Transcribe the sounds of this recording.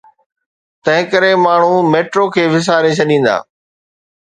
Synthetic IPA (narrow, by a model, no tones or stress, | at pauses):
t̪ɐ̃ɦɪ̃kəɾemaːɳ̤ũmeːʈɾoːkʰeːʋɪs̬aːɾẽt͡ɕʰɐɗĩːn̆d̪a̰ː